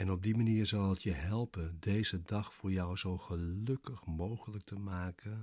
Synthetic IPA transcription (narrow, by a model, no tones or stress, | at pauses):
ɛnɔb̚dimaniːɹzɑlˠətjəɦɛlˠpəndejzədɑχfʊːɹjɔwzowχəlɵkəχmowχələk̚təmaːkʰən